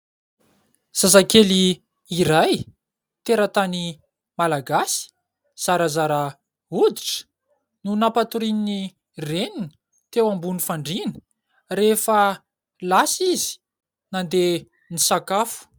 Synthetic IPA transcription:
z̥azakeli | iɾaj | t̪eɾət̪ani | malaɡasi̥ | z̥aɾəzaɾa | ud̪iʈ͡ʂə̥ | nunapat̪uɾinini | renini̥ | t̪ewambunifaɳɖ͡ʐini̥ | refə | lasizi̥ | nand̪e | nisakafu̥

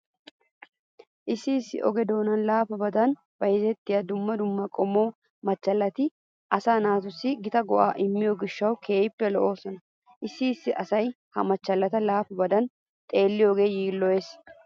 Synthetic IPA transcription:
ʔɪsːiːsːɪ̰ʔɔ̰ɡɛd̪o̞ːnɐnlaːfɐbɐd̪ɐn | b̥ɐjɪzɛt̪ːɪjɐd̪ʊmːɐd̪ʊmːɐkʼɔmːoː | mɐt͡ʃːɐlːɐt̪ɪ | ʔɐsaːnaːt̪ʊsːɪɡɪt̪ɐɡɔʔaːʔɪmːɪjoɡɪʃːɐwkʰe̞ːjɪpːɛlɔʔo̞ːsɔnɐ | ʔɪsːiːsːɪʔɐsɐj | hɐmɐt͡ʃːɐlːɐt̪ɐlaːfɐbɐd̪ɐn | t̪ʼe̞ːlːɪjoːɡe̞ːjiːlːɔjes

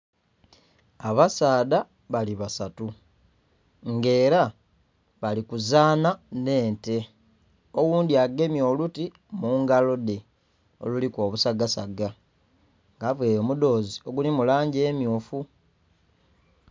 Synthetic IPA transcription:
aβasaːda | βaliβasatu | ŋɡe̞ːɾa | βalikuzaːnane̞ːnte̞ | o̞wuːndiaɡe̞mjo̞ːluti | muːŋɡalo̞de̞ | o̞̰luliko̞ːβusaɡasa̰ɡa | ŋɡavweːjo̞ːmudo̞ːzio̞ɡulimulaːɲɟe̞ːmjoːfu

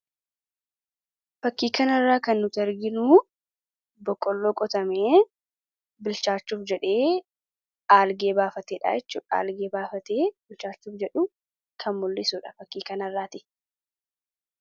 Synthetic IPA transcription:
fɐkːiːkɐnɐrːaːkɐnːʊt̪ɪɐɾɡɪnuː | bɔkʼːɔlːo̞ːkʼɔt̪ɐmeː | bɪlt͡ʃaːt͡ʃːuːfd͡ʒɛᶑe̞ː | ʔaːlɡe̞ːbaːfɐt̪eːᶑa̰ːɛt͡ʃːuːᶑa̰ːlɡeːbaːfɐt̪eːbɪlt͡ʃaːt͡ʃːuːfd͡ʒɛᶑʊ | kʰɐmmʊlːɪsuːᶑɐ̥fɐkːiːkɐnɐrːaːt̪ɪ

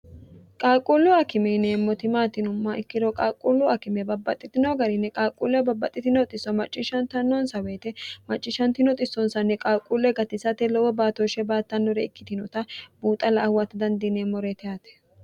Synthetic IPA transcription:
kʼaːkʼulːʊɐkɪmɛneːmːɔt̪ɪmaːt̪ɪnʊmːɐʔɪkːɪd̪ɔkʼaːkʼulːʊɐkɪmɛbɐbːɐt̪ʼːɪt̪ɪnoɡɐɾɪnːɛkʼaːkʼːulːɛbɐbːɐt̪ʼɪt̪ɪnɔt̪ʼɪsːɔmɐt͡ʃʼːɪʃɐnt̪ɐnːɔnsɐweːt̪ɛmɐt͡ʃʼːɪʃɐnt̪ɪnɔt̪ʼɪsːɔnsɐnːɛkʼaːkʼulːɛɡɐt̪ɪsɐt̪ɛlɔwɔbaːt̪ɔʃɛbaːt̪ːɐnːɔɾɛɪkːɪt̪ɪnɔt̪ɐbuːt̪ʼɐlɐːwːɐt̪ɐd̪ɐnd̪ineːmɔɾɛt̪ɛjat̪ɛ̥

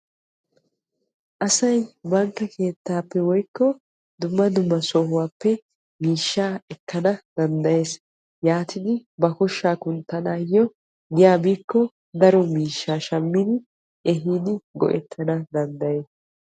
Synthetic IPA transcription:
ʔɐsɐjbɐŋkːɐkʰe̞ːt̪ːaːpːɛwɔjkːɔ | d̪ʊmːɐd̪ʊmːɐsɔːhʊwaːpːɛ | miːʃːaːɛkːɐnɐd̪̥ɐnd̪ɐje̞ːs | jaːt̪ʰɪd̪ɪbɐkɔʃːaːkʊnt̪ːɐnaːjːɔ | ɡɪjaːbiːkːɔ | d̪ɐɾɔmiːʃːaːʃɐmːɪd̪ɪ | ʔɛɦiːd̪ɪɡɔ̰ʔɛt̪ʰːɐnɐd̪ɐnd̪ɐje̞ːs

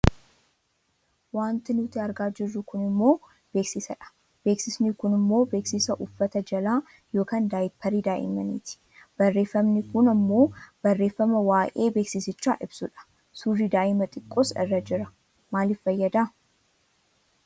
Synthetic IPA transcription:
waːnt̪ɪnʊt̪ɪɐɾɡaːd͡ʒɪrːʊkʊnɪmːo̞ː | b̥e̞ːksɪsɐᶑɐ̥ | b̥e̞ːksɪsnɪkʊnɪmːo̞ːbe̞ːksɪsɐʔʊfːɐt̪ɐd͡ʒɐlaː | jo̞ːkand̪aːjɪpʰːɐɾid̪aːʔɪ̰mɐnḭːt̪ɪ̥ | b̥ɐrːe̞ːfːɐmnɪkʊnɐmːo̞ːb̥ɐrːe̞ːfːɐmɐwaːʔe̞ːbe̞ːksɪsɪt͡ʃːaːʔɪbsʊᶑɐ̥ | surːid̪aːʔɪmɐt̪ʼɪkʼːoːsɪ̰rːɐd͡ʒɪɾɐ | maːlɪfːɐjːɐd̪aː

